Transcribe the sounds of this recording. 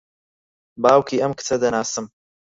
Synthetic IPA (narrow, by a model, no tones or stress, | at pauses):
baːwkʰiːʔɐmkɨ̥t͡sʰɐd̪ɐnaːsɨm